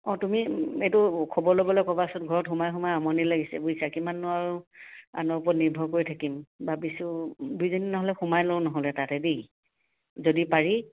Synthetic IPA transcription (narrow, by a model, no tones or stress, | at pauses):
ɔtumietʊkʰɔbɔɹlobɔlɔjkɔbasɔtɡʱɔɹɔtxumajxumajamɔnilaɡisɛ̰buisakimanːɔaɹua̰nɔpɔtniɹbʱɔkoɹitʰakimbabisudujzɔninɔɦɔlɛxumajlownɔɦɔlɛtatɛdi | zodipaɹi